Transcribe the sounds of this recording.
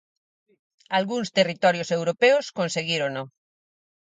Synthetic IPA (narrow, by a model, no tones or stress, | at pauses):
alɣuŋst̪erit̪ɔɾjosewɾopeoskonseɣiɾono